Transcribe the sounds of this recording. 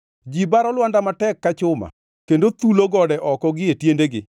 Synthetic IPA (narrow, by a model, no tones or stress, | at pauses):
d͡ʒibaɾɔlwandamatɛkːat͡ʃʊma̰ | kendot̪uloɡɔdɛʔɔkɔɡɪetjendeɡɪ